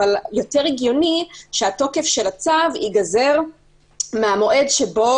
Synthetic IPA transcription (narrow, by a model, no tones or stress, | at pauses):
aljo̞te̞ʁiɡjo̞niʃeato̞ke̞fʃe̞lat͡savḭɡaze̞ʁ | meamo̞ʔe̞dʃebo̞